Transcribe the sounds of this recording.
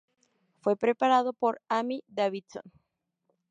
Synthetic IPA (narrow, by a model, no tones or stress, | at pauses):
fwe̞pɾepaɾaðopoɾamid̪aβit͡son